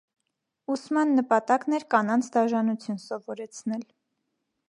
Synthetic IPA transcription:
usmɑnːəpɑt̪ɑknɛɾkɑnɑnt͡sʰd̪ɑʒɑnut͡sʰjunsɔvɔɾɛt͡sʰnɛl

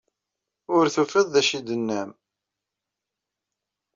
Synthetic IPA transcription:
ʊɾθufəðːæʃid̪ənːæm

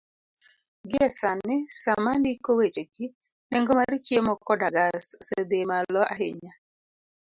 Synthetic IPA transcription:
ɡɛsanɪsamandikowet͡ʃeki | nɛŋɡɔmaɾit͡ʃjemɔkɔdaɡassed̪emalɔʔa̰ɦḛɲa

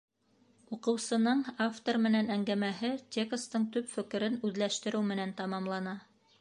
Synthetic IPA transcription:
uqɤ̆wsɤ̆nɤɴaft̪ormɘ̆nænæŋɡæmæhɘt̪ʲekst̪ɤɴt̪ɵpfɘ̆kɘ̆ɾɘnʉðlæʃt̪ɘ̆ɾɘwmɘ̆nænt̪ɑmɑmlˠɑnɑ

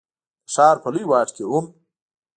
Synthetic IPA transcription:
ʂɑːɾpɐlujwɑːʈkeum

